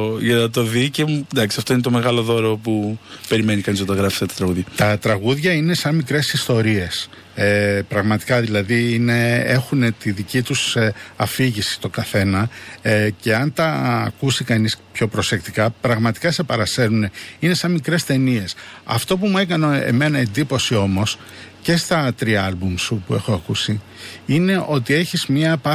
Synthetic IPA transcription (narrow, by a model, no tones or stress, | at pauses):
ʝɐt̪oðicemund̪ɐksiɐft̪o̞inet̪o̞me̞ɣɐlo̞ðo̞ɾopupe̞ɾime̞nikɐnizɐt̪ɐɣɾɐfi̥st̪ɐt̪ɾɐɣuðʝɐt̪ɐt̪ɾɐɣuðʝɐine̞sɐnmikɾe̞sist̪o̞ɾie̞s | epɾɐɣmɐt̪i̥kɐðilɐðiine̞e̞xunet̪iðicit̪usɐfiʝisi̥st̪o̞ɡɐθe̞nɐ | ce̞ɐnt̪ɐ̰ːkusikɐnispço̞pɾo̞se̞kt̪i̥kɐpɾɐɣmɐt̪i̥kɐse̞pɐɾɐse̞ɾune̞ine̞sɐnmikɾe̞st̪e̞nie̞sɐ̰ft̪o̞pumuekɐnoḛme̞nɐe̞nd̪ipo̞sio̞mo̞s | ce̞st̪ɐt̪ɾiɐɐlbumsupue̞xo̞ɐkusi | ine̞ʔo̞t̪ie̞çizmɲɐpɐ